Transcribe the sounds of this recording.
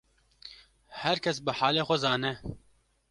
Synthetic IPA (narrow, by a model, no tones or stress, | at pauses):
hɐɾkʰɐs̬bəħaːleːxɐzaːnɛ